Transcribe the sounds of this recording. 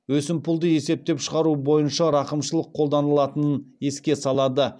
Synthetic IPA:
wɵsɪmpʊlˠd̪əje̞se̞p̚t̪e̞pʃəʁɑɾubo̞jənʃɑɾɑqəmʃəlˠəqʰːo̞lˠd̪ɑnəlˠɑt̪ənəne̞skʲe̞sɑlˠɑd̪ə

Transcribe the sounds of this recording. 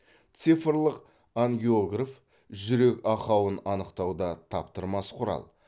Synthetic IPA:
t̪sijfrlˠəq | aŋɡʲioɡraf | ʒʏɾe̞kɑqɑwənɑnəqt̪ɑwd̪ɑt̪ʰɑpt̪əɾmɑsqʰʊɾɑ̰lˠ

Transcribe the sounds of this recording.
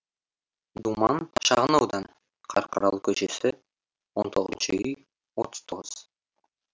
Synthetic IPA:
d̪umɑnʃɑʁənɑwd̪ɑn | qʰɑ̰ɾqʰəɾɑlˠkʲʰɵʃesɪ | wont̪ʰo̞ʁəzənʃəʏj | wot̪ʰə̥z̥t̪ʰo̞ʁəz̥

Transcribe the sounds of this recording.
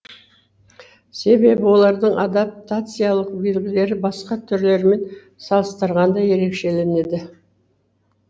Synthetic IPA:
se̞be̞bɪwo̞lˠɑɾd̪əɴʔad̪ap̚t̪at̪sɨjalˠəq̚be̞lɡʲɪle̞ɾɪbɑsqɑt̪ʰʏɾle̞ɾme̞n | sɑlˠəst̪əɾʁɑnd̪ɑje̞ɾe̞kʃe̞le̞ne̞d̪ɪ

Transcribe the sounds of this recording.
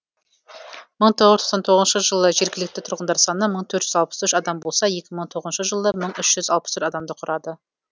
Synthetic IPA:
məɴt̪ʰoʁəzt̪ʰo̥sɑnt̪ʰoʁəznʃəʒəlˠəʒeɾɡʲɪlɪk̚ʲt̪ɪt̪ʰʊɾʁənd̪ɑɾsɑnəməɴt̪ʰɵɾʒ̥ʏzɑlˠpə̥sʏʃɑd̪ɑmbo̞lˠsɑje̞kʲɪməɴt̪ʰoʁəznʃəʒəlˠəməɴʏʃʒ̥ʏzɑlˠpəst̪ʰɵɾɑd̪ɑmd̪əqʰʊɾʔɑd̪ə

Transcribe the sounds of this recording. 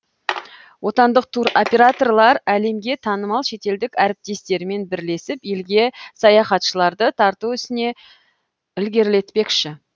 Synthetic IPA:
wʔo̞t̪ɑnd̪əq̚t̪ʰuɾo̞pʲe̞ɾat̪o̞rlˠɑɾæle̞mɡʲe̞t̪ʰɑnəmɑlˠʃe̞t̪e̞ld̪ɪkʲæɾɪp̚t̪e̞st̪e̞ɾme̞nbɪɾle̞sɪpjelɡʲe̞sɑjɑχɑt̪ʃəlˠɑɾd̪ət̪ʰɑɾt̪uʏst̪ɪne̞ | ɪlɡʲe̞ɾle̞t̪pe̞kʃɪ

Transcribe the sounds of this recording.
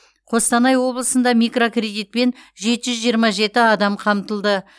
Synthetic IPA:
qʰo̞st̪ɑnɑjwo̞blˠəsənd̪ɑmijkro̞krʲe̞d̪ijt̪̚pe̞nʒe̞t̪ɪʒʏzʒijəɾmɑʒe̞t̪ɪɑd̪ɑmqʰɑmt̪əlˠd̪ə

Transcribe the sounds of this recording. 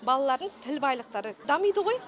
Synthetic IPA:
bɑlˠɑlˠɑɾd̪əɴt̪ʰɪlbɑjlˠəq̚t̪ɑɾəd̪ɑmijd̪əʁo̞j

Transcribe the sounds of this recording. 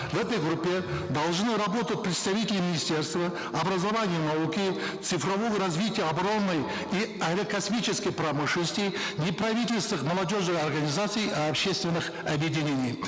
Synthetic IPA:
vɛt̪əjɡɾupʲːed̪ɐlˠʒnɨɾɐbo̞t̪ət̪̚ʲpɾʲɪt̪st̪ɐvʲitʲɪlʲɪmʲɪnʲɪsʲtʲe̞rst̪və | ɐbɾɐzɐvanʲɪjənɐukʲi | t̪sɨfɾɐvo̞jəɾɐzvʲitʲɪjəɐbɐɾo̞nːɨj | iɐjɾɐkɐsmʲit͡ʃɪskəjprɐmɨʂləsʲt̪ʲɪjnʲeprɐvʲitʲɪlʲst̪nɨχmɐlˠɐdʲo̞ʐnɨjɐrɡɐnʲizat̪sɨjiɐpʃe̞st̪vʲɪnːɨχ | ɐbjedʲɪnʲenʲij

